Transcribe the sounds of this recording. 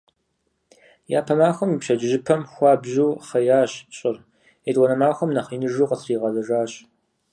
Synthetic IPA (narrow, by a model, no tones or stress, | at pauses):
jaːpʰɐmaːxʷɐmipɕɐd͡ʒʒɪpʰɐmxʷɑːbʑuːχɐjaːɕɕʼɪr | edʁʷɔnɐmaːxʷɐmnɐχiːnɨʐuːqəsriːʁɐzɐʒaːɕ